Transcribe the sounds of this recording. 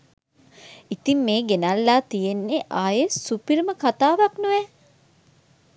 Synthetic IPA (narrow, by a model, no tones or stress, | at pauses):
it̪imːeːɡenalːaːt̪ijenːeʔaːjesupirməkat̪aːʋaknuʋɛ